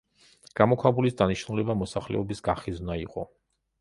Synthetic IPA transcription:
ɡ̥amɔkʰwabulisd̪aniʃnulɛbamɔsaχlɛ̰ɔbisɡaχiznaiqʼɔ

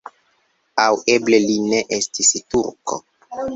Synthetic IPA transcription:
awe̞ble̞line̞ʔestistuɾko̰

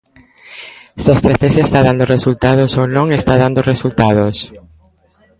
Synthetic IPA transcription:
sast̪ɾeθesaest̪aðãnd̪oresult̪aðosonõŋest̪aðand̪oresult̪aðos

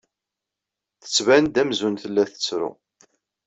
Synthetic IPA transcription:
θə̥t͡sːvænd̪æmzunθəlːæθə̥t͡sːɾʊ̰

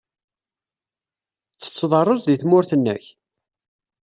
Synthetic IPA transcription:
t͡sːə̥t͡sːðˤɑrˤːozˤðiθmʊɾθənːə̰ç

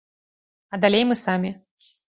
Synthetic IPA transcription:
ɐd̪alʲejmɨsamʲi

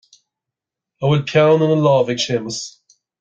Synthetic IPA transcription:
aɪwɪlpʰjãʊ̃nə̃nəlɑːvɪɡʃeːməs

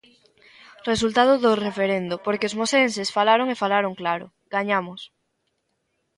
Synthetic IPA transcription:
res̬ult̪að̞ʊðʊrefeɾend̪ʊpoɾkeʊzmosensesfalaɾoŋefalaɾoŋklaɾʊ̰ | ɡ̥aɲamʊs

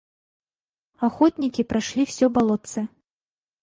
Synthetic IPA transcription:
axɔt̪nʲikʲipɾaʂlʲiwsʲɔbalˠɔt̪sɛ

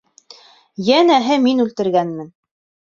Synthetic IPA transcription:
jænæɦɘminʉlt̪ɘ̆ɾɡænmɘ̆n

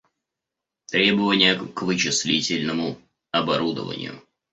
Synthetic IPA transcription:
t̪ɾʲe̞bəvənʲɪjəkvɨt͡ɕɪsʲlʲitʲɪlʲnəmʊ | ɐbɐɾud̪ə̰və̰nʲɪ̰jʊ̰

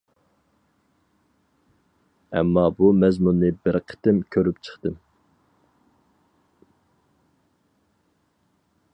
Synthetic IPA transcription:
ɛ̰mːɑbumɛzmunːɨbɪɾqʰə̥t̪ɪmkʲʰøɾyp̚t͡ʃʰə̥χt̪ɨm

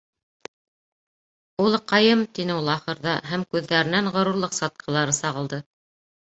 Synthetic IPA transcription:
ulˠqɑjɤmt̪inɘulˠɑχɤ̆ɾðɑɦæmkʉðːæɾɘ̆nænʁŏɾuɾlˠɤqsɑt̪̚qʰɤ̆lˠɑɾɤsɑʁɤ̆lˠd̪ɤ

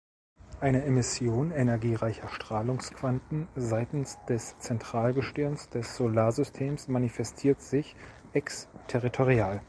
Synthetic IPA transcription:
ʔaɪnəemɪsjoːnenɛɐɡiːʁaɪçɐʃtʁ̥aːlʊŋskv̥antn̩zaɪtn̩sd̥ɛst͡sɛntʁ̥aːlɡəʃtʏɐnsd̥ɛsz̥olaːɐzʏstʰeːmsmanifɛstʰiːɐtz̥ɪç | ʔɛkstʰɛʁitʰoʁiaːl

